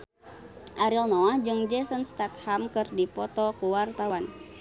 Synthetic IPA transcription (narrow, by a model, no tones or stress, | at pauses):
ʔaɾilnɔahd͡ʒɨŋd͡ʒɛsənst̪at̪̚hamkɨrdipɔt̪ɔkuwart̪awan